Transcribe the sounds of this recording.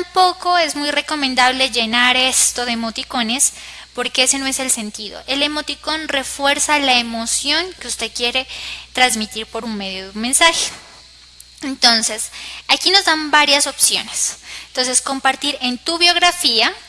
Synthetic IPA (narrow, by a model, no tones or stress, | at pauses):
t̪ampo̞ko̞e̞zmujre̞ko̞mẽnd̪aβle̞ʝe̞naɾest̪o̞ðemo̞t̪iko̞ne̞spo̞ɾke̞ese̞no̞ese̞lse̞nt̪iðo̰ʔe̞le̞mo̞t̪iko̞nre̞fwe̞ɾsalaemo̞sjo̞ŋkeust̪e̞ðkje̞ɾe̞t̪ɾanzmit̪iɾpo̞ɾunme̞ðjoðume̞nsaxe̥ | ent̪o̞nse̞sakino̞zðambaɾjaso̞psjo̞̰nesnt̪o̞nse̞sko̞mpaɾt̪iɾe̞nt̪uβjo̞ɣɾafia